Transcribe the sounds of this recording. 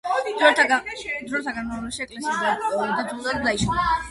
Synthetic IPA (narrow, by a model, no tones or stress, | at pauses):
d̪ɔɾt̪ʰaɡad̪ɾɔɾt̪ʰaɡanɾaʃiɛkʼlɛsiad̪ad̪ad͡ʒ̪ulad̪d̪aiʃ